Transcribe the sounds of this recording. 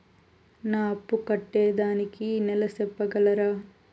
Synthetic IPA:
naːɐpːukɐʈːeːd̪aːnikinɛlɐsɛpːɐɡɐlɐɾɐ

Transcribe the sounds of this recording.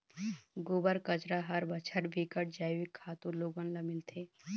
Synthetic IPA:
ɡobəɾkət͡ʃɾaɦɐɾbət͡ʃʰəɾbʱikəʈ̚d͡ʒaːjʋikʰːaːt̪uɾloːɡənlamɪlt̪ʰeː

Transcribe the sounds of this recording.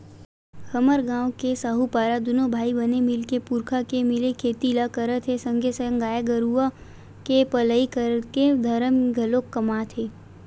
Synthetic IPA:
həməɾɡãːwkesaɦupaːɾad̪unobʱaːibənemɪlkepuɾkʰakemɪlekʰeːt̪ilakəɾət̪ʰɦesə̃ŋɡʱesəjə̃ŋɡaːjeɡəɾua | kepələikəɾəked̪ʱəɾəmɡʱəlokːəmat̪ʰeː

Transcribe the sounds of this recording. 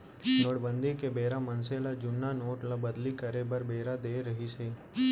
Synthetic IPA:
noːʈbə̃nd̪ʱikebeːɾamɐnselad͡ʒʊnːanoːʈlabəd̪likəɾebəɾbeːɾad̪eːɾɐɦiseː

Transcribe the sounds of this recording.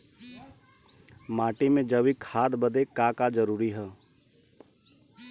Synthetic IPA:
maːʈimẽd͡ʒəʋikʰaːd̪bəd̪ekakad͡ʒəɾuːɾiɦɛː

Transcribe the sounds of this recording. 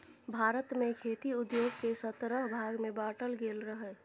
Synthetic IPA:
bʱaːɾət̪mekʰet̪iud̪joːɡ̚kesət̪ɾəɦbʱaɡmebaʈəlɡelɾəɦɛ

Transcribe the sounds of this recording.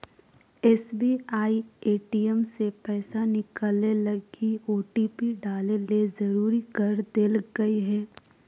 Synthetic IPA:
ɛːsbiaːieːʈiɛmsepɛːsanɪkəlelɐɡioːʈiːpiɖaːlelezɐɾuːɾikəɾd̪elɡɐiɦɛː

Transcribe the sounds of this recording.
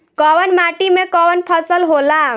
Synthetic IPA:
kɔwənmaʈimekɔwənpʰəsəlɦola

